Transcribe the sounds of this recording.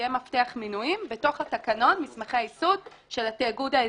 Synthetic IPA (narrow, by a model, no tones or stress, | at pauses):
jemafteaχminujimbe̞to̞χatakano̞nmismaχeajisud | ʃe̞lateːɡuda